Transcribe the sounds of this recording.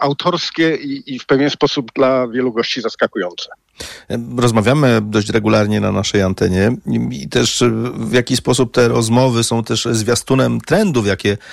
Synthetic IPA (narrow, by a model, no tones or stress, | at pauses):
awt̪ʰɔɾskʲɛiifpɛvʲjɛnspɔsubd̪lavʲjɛluɡɔɕt͡ɕizaskakujɔnt̪sɛ̥ | ɾɔzmavʲjamɘd̪ɔɕt͡ɕɾɛɡulaɾɲɛna̰naʂɛjant̪ɛɲɛit̪ɛʂvʲjakʲispɔsup̚t̪ɛɾɔzmɔvɘsɔ̃w̃t̪ɛʂzvʲjast̪unɛmt̪ɾɛnd̪ufjakʲɛ